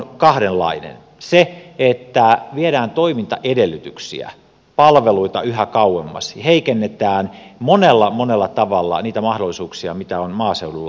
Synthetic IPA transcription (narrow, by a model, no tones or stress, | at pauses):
nkɑhɾellːɑ̰inḛn | seet̪ːæʋieɾæːnt̪oimint̪ɑ̰ʔedelːyt̪yksḭæ̰ | pɑlʋeluit̪ɑyhækɑuemːɑ̰sheikenːet̪æːnmonelːɑmonelːɑt̪ɑʋɑlːɑ̰niːt̪æmɑhdolˑisuːksiɑmit̪æonmɑːseululːɑ